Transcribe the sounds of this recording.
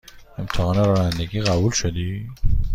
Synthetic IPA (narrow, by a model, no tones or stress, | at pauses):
emt̪ʰæɦɒːneɾɒːnænd̪eɡiːɣæbuːlʃod̪iː